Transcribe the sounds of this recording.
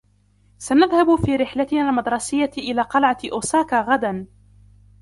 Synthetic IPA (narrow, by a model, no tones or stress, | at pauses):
sanaðhabfiːɾɪħlat̪ɪnaːlmad̪ɾˤɑsɪjːaʔɪlaːqɑlʕaʔoːsaːkaːɣad̪an